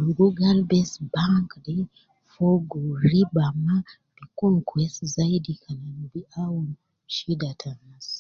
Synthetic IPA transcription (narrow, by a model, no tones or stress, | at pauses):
uluɡoɡalbesbaŋkde | foɡoɾibama | b̥ikoŋkwestzaidikʰananbiawun | ʃidatʰanas